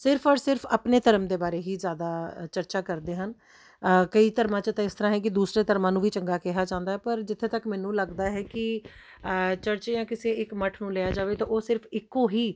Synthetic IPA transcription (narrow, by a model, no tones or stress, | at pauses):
sɪɾpʰɔːɾsɪɾpʰə̰pneːt̪əɾəmd̪eːbaːɾeːɦiːzjaːd̪aːt͡ʃəɾt͡ʃaːkəɾd̪eːɦən | kəiːt̪əɾmãːt͡ʃət̪ãːɪst̪əɾãːɦɛ̃ːk̬ɪd̪uːsɾeːt̪əɾmãːnũːʋiːt͡ʃəŋɡaːkɛɦaːd͡ʒãːnd̪aːɦɛːpəɾd͡ʒɪt̪ʰːẽːt̪əkmɛːnũːləɡd̪aːɦɛːkɪ | t͡ʃəɾt͡ʃeːãːkɪseːɪkməʈʰnũːleːaːd͡ʒaːʋeːt̪ãːoːsɪɾfʰɪkːoːɦiː